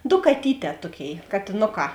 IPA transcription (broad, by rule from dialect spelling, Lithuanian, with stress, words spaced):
doː kɐˈtʲiːˌtʲɛː ˈtuɔˌkʲeːɪ kɐtʲeːˈnoːˌkɑː